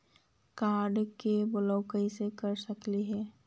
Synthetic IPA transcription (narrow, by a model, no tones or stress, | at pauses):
kaːɾɖkebʊləʊkəisekəɾsəkliɦɛː